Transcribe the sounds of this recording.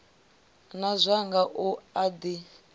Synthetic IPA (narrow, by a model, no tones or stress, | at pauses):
nazʷaŋɡaʔuad̪i